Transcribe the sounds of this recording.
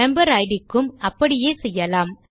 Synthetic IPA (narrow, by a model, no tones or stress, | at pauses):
ɛmbɐɾɐɪɽɪkːɯmɐpːɐɽɪjeːsɛjːɐlaːm